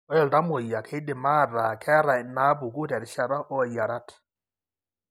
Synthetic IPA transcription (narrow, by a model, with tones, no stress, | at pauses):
ɔ˦ɛ˨lda˦mo˨ja˨kʰe˦dɪ˨ma˦˨ɾa˨kʰɛ˦ɾa˨ɪ˨na˦bu˨ku˦tɛ˨ɾɪ˦ʃa˨ɾa˦ʔɔ˦˨ja˨ɾa˦t